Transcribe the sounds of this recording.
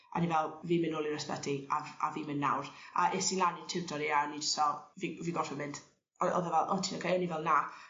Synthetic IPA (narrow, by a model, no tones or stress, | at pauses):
a̰nivɛlˠviːmɪnoːlˠirɛsbɛ̰diaa̰viːmɪnːa̰wra̰ʔesinlˠanɪntʰɪwtʰɔɾianid͡ʒɪ̥stɔviviːɡɔrfəmɪnd̥ | ɔɔ̰ðəvɛlˠʔɔtʰinakʰajɔnivɛlˠna